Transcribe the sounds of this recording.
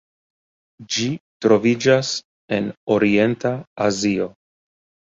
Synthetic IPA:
d͡ʒitɾo̞vid͡ʒas | e̞no̞ɾie̞ntaazio̞

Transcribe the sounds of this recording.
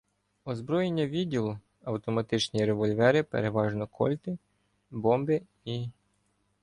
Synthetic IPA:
ɔzbɾɔjenʲːɐʋʲidʲːilˠʊ | ɐwt̪ɔmɐt̪ɪt͡ʃnʲiɾeʋɔlʲʋɛɾɪpḛɾeʋɑʒnɔkʰɔ̰lʲt̪ɪ | bɔmbɪ | i

